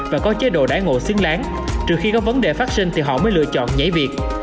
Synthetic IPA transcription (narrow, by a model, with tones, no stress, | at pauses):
vaː˨˩kɔ˨˦t͡ɕe˨˦ɗo̰˧˨ɗa̰ː˧˥˩ŋo̰˧˨si˧əŋlaː˨˦ŋ | t͡ɕɨ˨˩əkxi˧kɔ˨˦və˨˦nɗe˨˩faː˦˥t̚sï˧ŋ̟t̪ʰi˨˩ɦɔ̰˧˨məː˨˦jlɨ̰˧˨ət͡ɕɔ̰˧˨nɲə̰˧˥˦jvi˨˩ək̚